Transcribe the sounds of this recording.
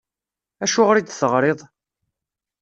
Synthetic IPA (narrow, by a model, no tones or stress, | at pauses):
æʃʊʁɾid̪θəʁɾeðˤ